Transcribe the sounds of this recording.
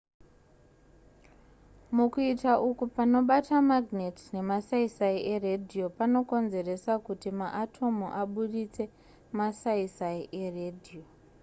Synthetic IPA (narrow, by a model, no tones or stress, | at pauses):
mukuitaʔukupano̞ɓatamaɡneti̥ne̞masaisaiʔeredʱio̞pano̞ko̞nze̞re̞sakutimaʔatʰo̞muʔaɓuɗit͡se̞ | masaisaiʔeredʱio